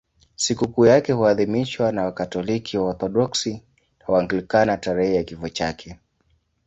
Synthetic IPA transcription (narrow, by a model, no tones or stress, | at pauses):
sikukuːjakɛhuaðimiʃwanawakatɔlikʰiwaɔɾθɔɗɔksi | awaŋɡilikanataɾɛhɛjakifɔt͡ʃa̰kʰɛ